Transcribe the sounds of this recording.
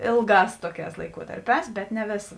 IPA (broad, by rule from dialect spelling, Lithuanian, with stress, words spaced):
ˈeːlˠˌɡɑːs ˈtoːˌkʲɛːs lˠɐɪˈkuɔtɐrʲˌpʲɛːs bʲɛt nʲɛ ˈʋʲeːsɐ